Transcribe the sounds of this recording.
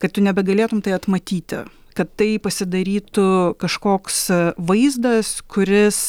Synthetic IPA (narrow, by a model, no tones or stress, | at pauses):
kɐt̪t̪ʊnʲɛbʲɛɡɐlʲeːt̪ʊmt̪ɐɪɐt̪mɐt̪ʲiːt̪ʲɪ̰ | kɐt̪ːɐɪpɐsʲɪd̪ɐɾʲiːt̪ʊkɐʃkoːksʋɐɪzd̪ɐskʊɾʲɪs